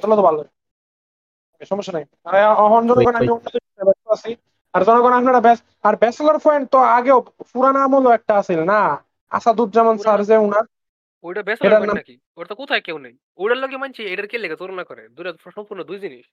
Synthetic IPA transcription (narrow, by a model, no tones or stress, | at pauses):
t̪ɔlot̪ɔbʱalːo | abeʃɔmɔʃːanaj | aɔɦɔnd͡ʑɔnoɡɔnamionːod̪iinabɛst̪oasi | aɾd͡ʑɔnoɡɔnapnaʈabɛs | aɾbɛslaɾfʰɔjnt̪oaɡewpuɾanamɦoloɛk̚ʈaasilna | a̰ʃad̪uɾ̚d͡ʑamonsaɾd͡ʑeunaɾ | ojʈabɛsleaɾnamaki | oʈat̪okot̪ʰajkewnaj | ojɽaɾloɡemant͡ɕʰiejʈaɾkelːekat̪uɾonakɔɾḛd̪ujɾapɾɔʃnopuɾnod̪ujd͡ʑiniʃ